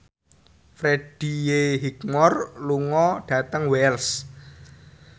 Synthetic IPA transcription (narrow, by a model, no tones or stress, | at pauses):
fɾeɖ̥ijeɦikmɔrluŋɔɖ̥ä̤t̪əŋwɛls